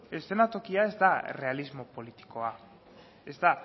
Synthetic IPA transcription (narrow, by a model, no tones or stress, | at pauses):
e̞st̪enat̪o̞kiae̞zd̪are̞alizmo̞po̞lit̪i̥ko̞a | e̞zd̪a